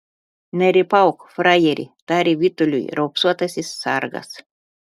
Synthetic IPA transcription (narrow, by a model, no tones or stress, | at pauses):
næɾʲipawkfrajeɾʲḭt̪aɾʲivʲit̪ulʲṵjɾowpsuɔt̪asʲisːarɡa̰s